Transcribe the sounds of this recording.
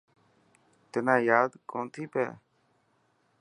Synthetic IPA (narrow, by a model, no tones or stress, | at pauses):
t̪ɪnãːjaːd̪koːnt̪ʰiːpɛ̰ː